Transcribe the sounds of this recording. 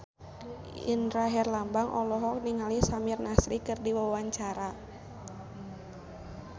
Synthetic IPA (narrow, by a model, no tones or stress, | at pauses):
ḭndɾaɦɛrlambaŋʔɔ̰lɔɦɔk̚niŋalisamirnasɾikɨrdiwawaɲt͡ʃaɾa